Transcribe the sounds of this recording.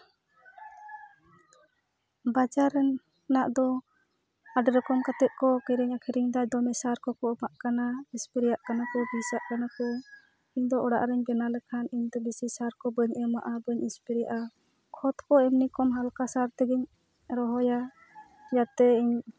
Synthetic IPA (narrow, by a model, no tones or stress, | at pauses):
bad͡ʒaɾːɛnː | aʔd̪ɔ | aɖɾɔkɔmkat̪ɛʔ̪̚kɔkiɾiɲakʰiɾiɲd̪ajd̪ɔmɛsaɾkɔkɔmaʔkanaispiɾɛjaʔkanakɔbisaʔkanakɔ | iɲd̪ɔʔɔɽa̰ʔɾɛɲbɛnalɛkʰaniɲd̪ɔbisisaɾkɔbəɲɛmaʔabəɲɛspiɾjaʔa | kʰɔt̪kɔɛmnikɔmɦalkasaɾt̪ɛɡɛɲ | ɾɔɦɔja | jat̪ɛiɲ